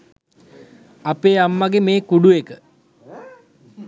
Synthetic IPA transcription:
apeːamːaɡemeːkuɖuekə

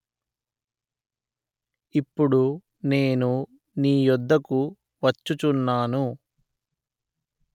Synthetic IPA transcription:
ipːuɽu | ne̞ːnu | niːjɔd̪ːɐku | ʋɐt͡ʃːut͡ʃunːaːnu

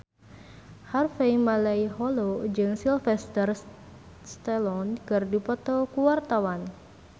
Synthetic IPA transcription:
harfeimalaihɔlod͡ʒɨŋsilfɛst̪ər | st̪ɛlɔnkɨrdipɔt̪ɔkuwart̪awan

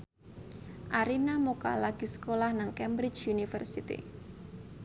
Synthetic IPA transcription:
ʔaɾinamoka̰laɡ̥i̤sə̥kolahnaŋkɛmbɾɪt͡ʃunifərsit̪ḭ

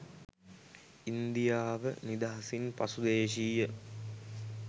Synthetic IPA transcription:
ind̪ijaːʋənid̪aɦasinpasud̪eːʃiːjə

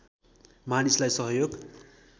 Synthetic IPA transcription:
manislajsʌɦʌjoɡ

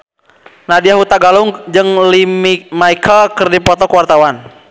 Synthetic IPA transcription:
nadiaɦut̪aɡaluŋd͡ʒɨŋlimimaikʰəlkɨrdipɔt̪ɔkwart̪awan

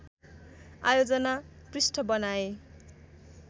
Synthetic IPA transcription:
a̰jod͡zʌnaprisʈʰʌbʌnae

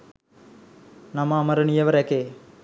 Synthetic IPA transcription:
nɐmamɐɾɐnijɐʋɐɾekːe

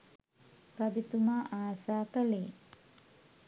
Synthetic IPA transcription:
pɾad̪it̪umaːʔaːsaːkəleː

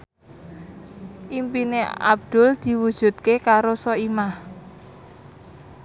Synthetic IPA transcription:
ʔimpinea̰b̚d̪̥ʊ̤ld̪̥i̤wud̥ʒ̥ṳt̪̚kekaɾosɔimah

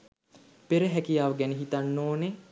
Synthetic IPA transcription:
peɾəɦækijaːʋəɡæneɦit̪anːoːne

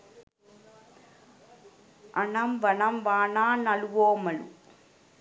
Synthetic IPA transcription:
ʔɐɳɐmʋɐɳɐmʋaːnaːnɐlʋoːmɐɭu

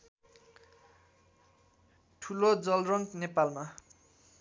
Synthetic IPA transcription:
ʈʰulod͡zʌlrʌŋknepalma

